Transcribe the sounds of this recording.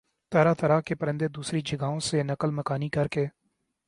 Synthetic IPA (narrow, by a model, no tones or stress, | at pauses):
t̪əɾaːt̪ʰəɾaːkepəɾɪ̃nd̪ed̪uːsɾid͡ʒəɡaːõsenəkəlməkaːnikəɾkeː